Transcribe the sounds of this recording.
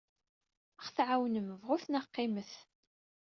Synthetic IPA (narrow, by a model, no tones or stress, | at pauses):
əχθʕawnəməvʁʊθnəqːɪməθ